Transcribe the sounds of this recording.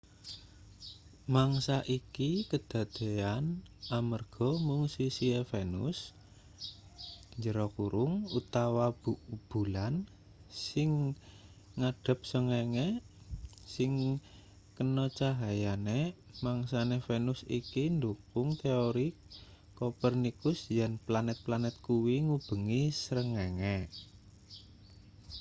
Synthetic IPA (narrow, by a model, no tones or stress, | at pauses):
maŋsaʔikikəd̪̥a̤d̪̥e̤anamərɡ̥ɔmuŋsisiefenʊ̰s | ɲd͡ʒəɾɔkuɾʊŋut̪awabub̥ṳlan | sɪŋ | ŋaɖ̥ə̤p̚səŋeŋɛ | sɪŋ | kənɔt͡ʃaɦajanemaŋsanefenʊsikind̪ukʊŋt̪eoɾi | kopərnikʊsjanplanɛt̪̚planɛt̪̚kuwiŋub̥ə̤ŋisɾəŋeŋɛ